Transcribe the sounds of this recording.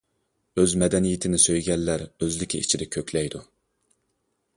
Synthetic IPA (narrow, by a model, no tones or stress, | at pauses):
øzmɛd̪ɛnijit̪ʰɪnɪsøjɡʲɛlːæɾøzlɪkʲʰiit͡ʃʰid̪ɛkʲʰøkʲʰlɛjd̪u